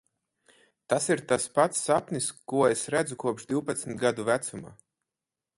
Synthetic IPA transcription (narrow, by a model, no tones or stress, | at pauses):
t̪asiɾt̪aspat̪sːapʲnʲiskuɔesɾæd̪zukuɔpʒd̪ʲiwpat̪smʲt̪ɡad̪uvæt̪suma̰ː